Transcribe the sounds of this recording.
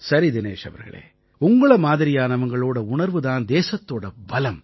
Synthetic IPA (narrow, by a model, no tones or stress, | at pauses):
sɐɾid̪ɪneːʂɐ̰ʋɐ̰ɾɣɐ̰ɭḛː | ʊŋɡɐɭɐmaːðɪɾɪjaːnɐʋɐŋɡɐɭoːɽɐʊɳɐɾʋɯðaːnd̪eːsɐt̪ːoːɽɐbɐlɐm